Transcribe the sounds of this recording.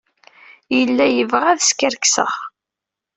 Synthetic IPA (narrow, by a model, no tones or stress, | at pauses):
jəlːæjəvʁæðskəɾksə̰ʁ